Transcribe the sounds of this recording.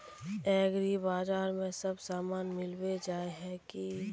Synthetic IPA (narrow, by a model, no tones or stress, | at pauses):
ɛːɡɾibaːd͡ʒaːɾmẽsɐbsaːmaːnmɪlwed͡ʒaːeɦɛki